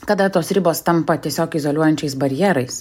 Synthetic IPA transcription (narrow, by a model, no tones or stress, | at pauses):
kɐd̪ɐt̪oːsɾʲɪboːst̪ɐmpɐt̪ʲiɛsʲoːkɪzolʲuɔjɛnʲt͡ʃʲɛɪsbɐɾʲɪjɛɾɐɪs